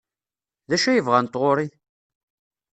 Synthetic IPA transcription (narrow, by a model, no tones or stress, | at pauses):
ðæʃæjəvʁant̪ˤːʁoɾi